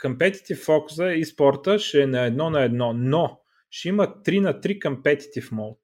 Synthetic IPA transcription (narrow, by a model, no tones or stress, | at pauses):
kəmpɛt̪i̥t̪ifːɔkʊ̥səispɔɾt̪əʃɛnɐɛd̪nɔnɐɛd̪nɔno | ʃɛimət̪ːɾinɐt̪ɾikɐmpɛt̪i̥t̪ifmɔlˠt̪